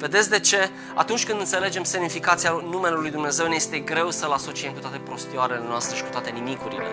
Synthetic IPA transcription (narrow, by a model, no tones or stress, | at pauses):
ve̞d̪et̪sʲd̪e̞t͡ʃe̞ | a̰t̪unt͡ʃʲkɨnd̪ɨnt̪se̞le̞d͡ʒe̞mse̞mnifikat̪sianume̞lelujd̪umne̞ze̞wneje̞st̪eɡɾe̞wsəlaso̞t͡ʃie̞mkut̪wat̪e̞pɾo̞st̪ioaɾele̞noast̪ɾe̞ʃi̥ku̥t̪oat̪e̞nimikuɾḭlḛ